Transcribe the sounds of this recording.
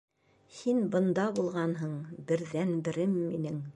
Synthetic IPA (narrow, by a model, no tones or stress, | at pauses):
hinbɤ̆nd̪ɑbulˠʁɑnɦɤɴbɘ̆ɾðænbɘ̆ɾɘmːinɘŋ